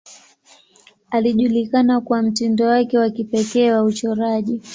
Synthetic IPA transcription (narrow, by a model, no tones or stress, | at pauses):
aliʄulikanakuwam̩tindɔwakɛwakipɛkɛːwaut͡ʃɔɾaʄi